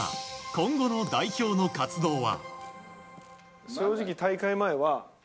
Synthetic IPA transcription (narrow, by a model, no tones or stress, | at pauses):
kõ̞ŋɡo̞no̞d̪aiço̞ːno̞kat͡sɨd̪o̞ːβa̰ | ɕo̞ːʑikʲit̪aikaimaeβa